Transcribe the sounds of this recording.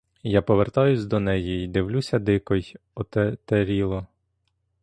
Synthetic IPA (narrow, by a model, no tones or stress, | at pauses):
japɔʋert̪ɑjʊsʲd̪ɔnɛjiid̪ɪwlʲusʲɐd̪ɪkɔj | ɔt̪t̪eɾʲilˠɔ